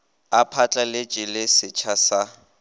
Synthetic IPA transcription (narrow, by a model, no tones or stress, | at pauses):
apʰat͡ɬʼalɪt͡ʃʼɪlɪsɪt͡ʃʰasa